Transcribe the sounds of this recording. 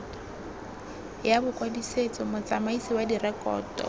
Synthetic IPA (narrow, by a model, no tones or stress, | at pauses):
jabʊkwadiset͡sʼɔmʊt͡sʼamaisiwadirɛkʼɔ̰ːtɔ̰